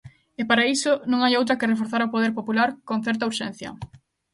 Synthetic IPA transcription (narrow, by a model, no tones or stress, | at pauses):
epaɾaisʊnõŋajowt̪ɾɐkɪrefoɾθaɾopoð̞eɾpopulaɾkõnθɛɾt̪̬ɐuɾʃɛn̟θjɐ̰